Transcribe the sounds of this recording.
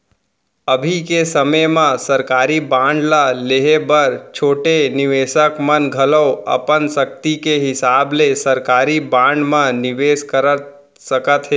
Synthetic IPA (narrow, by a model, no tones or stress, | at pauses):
əbʱikesəməjmãsɐɾkaːɾibãːɳɖlaleɦebəɾt͡ʃʰoːʈenɪʋeːʃəkmənɡʱələɐ̰pənsək̚t̪ikeɦɪsaːblesɐɾkaːɾibãːɳɖmãnɪʋeːskəɾət̪ | səkət̪ɦeː